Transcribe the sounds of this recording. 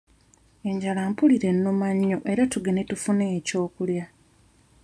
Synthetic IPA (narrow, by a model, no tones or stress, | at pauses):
eɲɟalaːmpuliɾe̞nːumaɲːoʔe̞ɾatuɡe̞ne̞tufuneːco̞ːkulja